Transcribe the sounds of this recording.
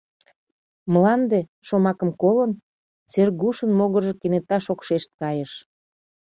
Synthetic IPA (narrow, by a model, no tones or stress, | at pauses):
məlɑnd̪e̽ʃomɑkəmkolən | t͡serɣuʃənmoɣərʒĕkenet̪ɑʃokʃeʃt̪̚kɑjəʃ